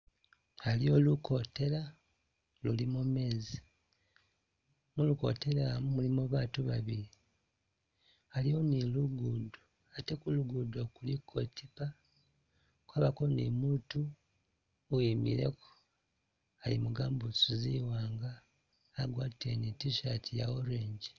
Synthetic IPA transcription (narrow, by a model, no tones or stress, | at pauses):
alio̞ːluko̞te̞ɾa | lulimume̞ːzi | muluko̞̰te̞ɾaamumulimoβatuβaβiɾi | alioniluɡudo | ate̞kuluɡudokulikʰːo̞tipa | kwaːβakonḭmuːtu | imḭɾe̞̰ko̥ | alimuɡaːmbusuziwaːŋɡaː | ɡwaːtitenitiʃatʰijaoɾeːɲɟi